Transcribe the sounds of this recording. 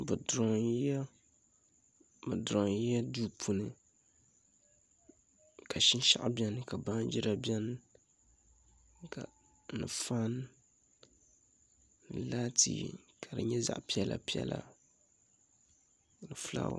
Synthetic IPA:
bɨ˨dɾɔ˨˦ɛ˦ | bɨ˨dɾo˨ŋ˦ɛ˦du˦pʰu˨nɨ˨ | kʰa˨ʃɪ˦n˦ʃa̰˦ʔbi˦ɛ˦nɨ˦ka˨ba˦n˦d͡ʒɪ˦ɾa˦bjɛ˦n˦ | ka˨ | nɨ˨fa˦n | nɨ˨laː˦tḭː˦kʰa˨dɨ˨ɲɛ˦za̰˦ʔpi˦ɛ˦la̰˨pi˦ɛ̰˦la̰˨ | nɨ˨fla̰ː˦

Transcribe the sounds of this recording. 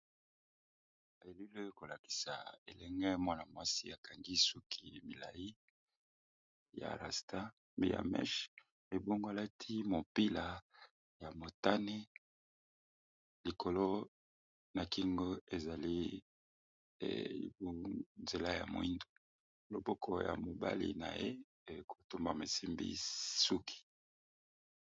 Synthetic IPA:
e˨lu˦le˦ko˨la˨ki̥˨sa̰˨ḛ˨lɛ˦ŋɡɛ˦mwa˦na˨mo˨a˦sḭ˦a˨ka˨ŋɡi˦su˦kʰi˦mi˨la˨ji˦ | ja̰˨la̰˨sta˦ | mḭ˨ja̰˨mɛ̰˦ʃ | e˨bo˦ŋɡo˦a˨la˦tʰi˦mo˨pi˦la˨ | ja˨mo˨ta˦ne˦ | li˨ko˨lo˦ | na˨ki˦ŋɡo˦e˨za˨li˦˨ | ḭ˨bo˦nze˨la˦ja̰˨mo˨ḭ˦ndo˨ | lo˨bo˦kʰɔ˨ja̰˨mo˨ba̰˦lḭ˨na̰˨je˦˨ | ko˨to˦mba˨me˨si˦mbḭ˦su˦kʰi̥˨

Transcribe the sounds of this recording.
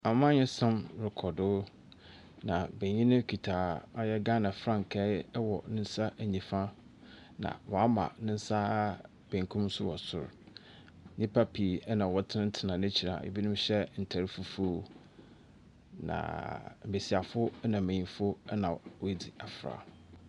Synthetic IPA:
a˨mã˦ɲɪ̃˦sã˦mɾɪ˨kʰɔ˨dʊː˦ | nã˨bẽ˨ɲĩ˦nɪ̃˦kʰi˨tʰa˨a˦jɛ˦ɡa˦nã˨fɾã˦ŋ˨kʰɛ˦wɔ˨nɪ̃˦n̩˦sa˦ʔæ˨ɲĩ˨fã˦ | nã̰˨wɔ˨a˦mã̰˨nɪ̃˦n̩˦sa˦ | b̥ẽ˨ŋ˨kʰũ˦m˦sʊ˦wɔ˨sʊ̰˨ɾ | ɲĩ˦pʰa˦pʰi˨˦nã˨wɔ˦tʰɪ˦ɪ̃˦n̩˦tʰɪ˨nã˨nɪ̃˦t͡ɕʰi˨ɾa̰˨ḛ˨bi˦nʊ̃˦mɕɛ˦n̩˨tʰæ˨ɾi˦fu˦fu˦ | nã̰˨m̩˨be˨si˨a˨fʊ˦nã˨mẽ˨ɲĩ˨fʊ˦nã˨wɔ˦di˨a˨fɾa̰˨

